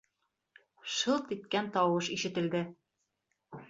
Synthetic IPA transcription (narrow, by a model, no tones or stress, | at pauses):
ʃɤlˠt̪it̪̚kænt̪ɒwɤʃiʃɘ̆t̪ɘ̆ld̪ɘ